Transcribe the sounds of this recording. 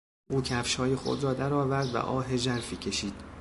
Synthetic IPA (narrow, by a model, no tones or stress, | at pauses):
ʔuːcʰæfʃhɒːjexo̰d̪ɾɒːd̪æɾɒːvæɾd̪væ̰ʔɒːɦed͡ʒæɾfiːcʰe̞ʃiːd̪̥